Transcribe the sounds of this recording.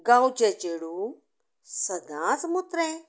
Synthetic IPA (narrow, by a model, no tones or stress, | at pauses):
ɡãːwt͡ʃet͡ʃeːɽuː | sɐd̪ãːsmʊt̪ɾɛ̃